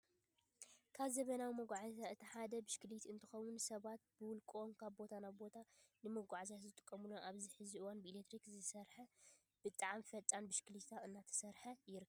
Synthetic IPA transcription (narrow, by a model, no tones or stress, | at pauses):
kʰaβzɐβɐnawimɐɡʷaʕzzaɨt̪ʰiħad̪ɐbɨʃkɨlit̪ɨnt̪ʰɨxɐwunsɐβat̪̚bɨwʊlkʼonkʰaβbo̞t̪ʰanajbo̞t̪ʰanɨmɐɡʷaʕzat̪zɨt̪ʼɨ̥kʼːɐmɨloʔaβziħɨziʔɨwanbɨilet̪ʰɾikzɨsɐɾħɐ | b̥ɨt̪ʼaʕamfɐt͡s̪ʼanbɨʃkɨlit̪ʰaɨnːat̪ʰɐ̥sɐɾħɐjɪɾɨkʰːbɐb